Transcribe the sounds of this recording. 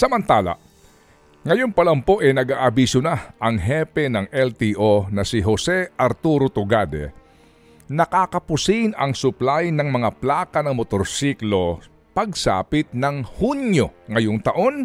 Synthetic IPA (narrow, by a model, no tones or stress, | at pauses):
sɐmɐnt̪aːla̰ | ŋɐjonpɐlɐmpo̞ʔɛnɐɡaːʔɐbisʊnaʔɐŋɦɛpɛnɐŋʔɛlt̪iʔonɐsɪɦosɛʔɐɾt̪uɾot̪ʊɡad̪ɛ̰ | nɐkaːkɐpʊsinɐ̰ŋsʊplajnɐŋmɐŋaplaːkɐnɐŋmot̪oɾsiklo̞ | pɐɡ̚sa̰ːpɪt̪̚nɐŋhunjo̞ŋɐjoŋt̪ɐʔo̞n